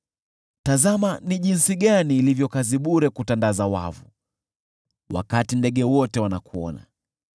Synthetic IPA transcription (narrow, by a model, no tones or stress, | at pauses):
tazamaniʄinsiɠaniːlivjɔkaziɓuɾɛkutandazawa̰vṵ | wa̰katindɛɠɛwɔtɛwanakuɔ̰na̰